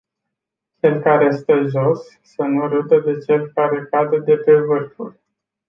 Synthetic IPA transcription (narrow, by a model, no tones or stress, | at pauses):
t͡ʃe̞lkaɾest̪əʒo̞sː | ənuɾut̪əd̪e̞t͡ʃe̞lkaɾe̞kad̪əd̪e̞pe̞vɨrfṵl